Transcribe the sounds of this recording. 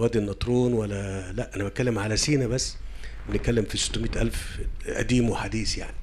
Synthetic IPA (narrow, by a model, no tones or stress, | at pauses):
wæːd̪inːɑt̪ˤɾˤuːnwælːælæʔʔænæbæt̪̚kælːemʕalæsiːnæbæsːbenet̪̚kːælːemfise̥t̪ːomiːt̪ʔæ̰lfʔæ̰d̪iːmweħad̪iːsjaʕni